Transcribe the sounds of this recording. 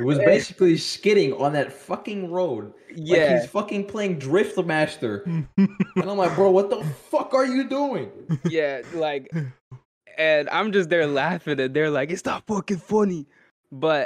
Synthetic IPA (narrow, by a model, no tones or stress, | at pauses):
ɨt̚wʌzbeɪsɨ̥kliskɪɾɪ̃ŋə̰̃nðɨtfʌkɪ̃ŋɹoʊd̚jæiz̥fʌkɪ̃ŋpʰl̥eɪɪ̃ŋdɹɪftmæstə̃˞ | nõʊmaɪbɹʌðə˞wʌt̪̚ðəfʌkə˞jɨduɪ̃ŋjælaɪk | ɨ̃nã̰ɪ̃md͡ʒʌs̬t̪̚ðə˞læfɪ̃ŋɨ̃nðə˞laɪkɨtstɑffʌkɪ̃ŋfʌni | b̥ʌt̚